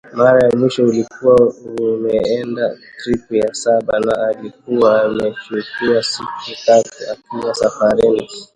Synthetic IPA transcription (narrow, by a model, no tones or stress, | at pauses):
maɾajamwiʃɔulikuwaumɛɛndatɾipujasaɓanaːlik̚uwaːmɛt͡ʃukiasikutatuakilasafaɾini